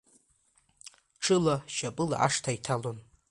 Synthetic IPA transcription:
ʈ͡ʂʰɨlaʃapʼɨla̰ʔa̰ʂtʰaitʰalon

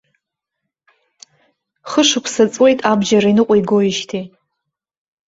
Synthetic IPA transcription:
χəʂɨkʷʰsat͡sʼwe̞jtʼabd͡ʒaɾainɨqʷʼaiɡoiʃtʰi

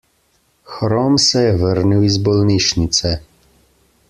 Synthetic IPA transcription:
xɾɔmsɛjɛʋəɾniwizbɔlniʃnit̪sɛ

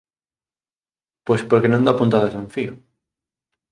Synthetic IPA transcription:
pospoɾkenõnd̪apunt̪aðasẽɱfio

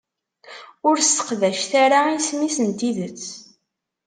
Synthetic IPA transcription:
ʊɾst̪ə̥qðæʃθaɾaismisənt̪iðət͡sː

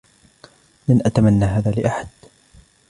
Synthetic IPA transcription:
lanʔat̪amanːaːɦaːðaːlɪʔaħad̪̥

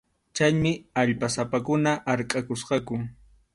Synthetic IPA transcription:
t͡ʃajmɪaʎpasapakʊnaʔaɾkʼakʊsqɑkʊ

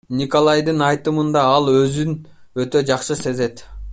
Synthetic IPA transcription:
nʲiko̞lˠɑjd̪ɯnɑjt̪ɯmɯnd̪ɑɑlˠø̞zynøt̪ø̞d͡ʒɑqʃɯse̞ze̞t̪

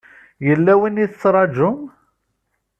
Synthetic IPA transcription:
jəlːæwiniðət͡sːɾˤɑd͡ʒʊm

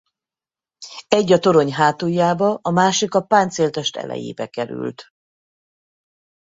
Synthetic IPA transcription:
ɛɟːɒt̪o̞ɾo̞ɲɦaːt̪uːjːaːbɒʔɒmaːʃikɒpaːnt̪seːlt̪ɛʃt̪ɛ̰lɛ̰jḛːbɛkɛɾy̰lt̪

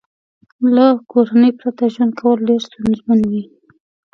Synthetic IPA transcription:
lakoɾanəjpɾat̪aʒwand̪̚kʰawəlːeɾst̪unzmanwi

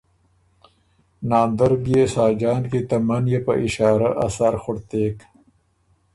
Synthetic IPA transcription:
naːnd̪ɐɾbijesaːd͡ʒaːnkit̪ɐmanjepɐ̰ʔɪʃaːɾɐ̰ʔɐ̰saɾxʊɽt̪eːk

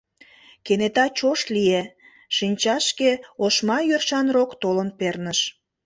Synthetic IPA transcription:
kenet̪ɑt͡ɕoʃt̪lie | ʃinʲt͡ɕɑʃkeoʃmɑjørʃɑnrokt̪olənpernəʃ

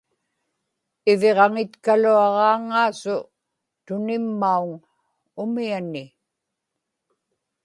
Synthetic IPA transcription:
ɪveʁɑŋɪt̪kaluɑʁɑːŋːaːsʊ | t̪ʊnɪmːauŋ | ʊmianɪ

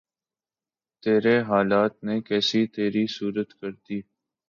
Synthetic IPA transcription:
t̪eːɾeɦaːlaːt̪̚nekɛːsit̪eːɾisuːɾət̪kəɾt̪iː

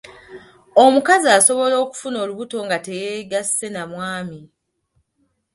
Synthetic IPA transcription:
o̞mukaziaso̞βo̞lo̞ːku̥funo̞ːluβuto̞ŋɡate̞jeːɡasːe̞namwaːmi

